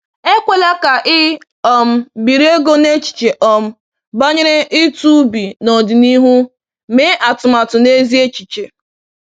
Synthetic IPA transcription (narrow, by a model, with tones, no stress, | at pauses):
e˦kʷe˦la˦ka˨ʔɪ˦ | ɔ˨m̩˦bi˨ɾi˦e˦ɡo˦ne˦t͡ʃi̥˨t͡ʃe˨ʔɔ˨m̩˦ | ba˦ɲɪ˦ɾɪ˦ʔɪ˦tu˦bi˨nɔ˨dɪ˨ni˦ɦu˦ | me˦ʔa˨tʊ˨ma˨tʊ˨ne˦zi˦e˦t͡ʃi˨t͡ʃe˨